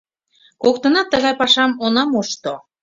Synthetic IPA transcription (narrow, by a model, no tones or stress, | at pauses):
kok̚t̪ɤ̆nɑt̪ːə̆ɣɑjpɑʃɑmonɑmoʃt̪o